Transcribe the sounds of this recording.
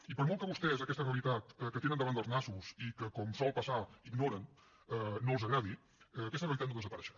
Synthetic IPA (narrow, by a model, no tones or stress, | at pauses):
ipəɾmɔlˠkəβust̪ɛzəkɛst̪əreəlit̪at̪əkət̪enənd̪əβanəlˠznasuzikəkɔmsɔlˠpəsaiɡnoɾən | əːolˠzəɣɾaðiː | kɛst̪əreəlit̪at̪noðəzəpəɾɛʃə̥